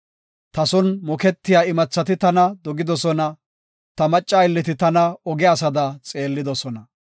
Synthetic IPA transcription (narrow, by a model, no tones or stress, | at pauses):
t̪ɐsɔnmɔkɛt̪ːɪjaːɪmɐt͡sːɐt̪ɪt̪ɐnɐd̪ɔɡɪd̪ɔsɔnɐ | t̪ɐmɐt͡ʃʼːaːɪlːɪt̪ɪt̪ɐnɐɔɡɛasɐd̪ɐt͡sʼe̞ːlːɪd̪ɔsɔnɐ